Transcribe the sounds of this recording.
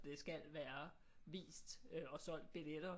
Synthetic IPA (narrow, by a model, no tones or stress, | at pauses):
d̥e̝sɡ̥ælʋæːɐ | ʋḭːsd̥øɒ̽sɒ̽l̰d̥̚b̥iled̥ɐ